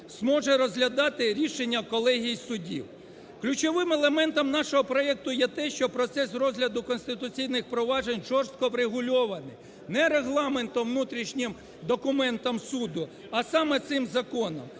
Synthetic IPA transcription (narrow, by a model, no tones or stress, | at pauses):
zmɔʒɛɾɔzʲɦlʲɐd̪ɑt̪ɪɾʲiʃenʲːɐkɔlˠɛɦʲijsʊdʲḭw | klʲʊt͡ʃɔʋɪmelˠemɛnt̪ɔmnɑʃɔɦɔpɾɔɛk̚t̪ʊjɛt̪ɛʃt͡ʃɔpɾɔt̪sɛsrɔzʲɦlʲɐd̪ʊkɔnst̪ɪt̪ʊt͡sʲijnɪxpɾɔʋɑʒenʲʒɔrst̪̚kɔʋɾeɦʊlʲɔʋɐnɪ̰j | nɛɾeɦlˠɑment̪ɔʋnut̪ɾʲiʃnʲɪm | d̪ɔkʊmɛnt̪ɔmsud̪ʊ | ɐsɑmɛt̪sɪmzɐkɔnɔ̰m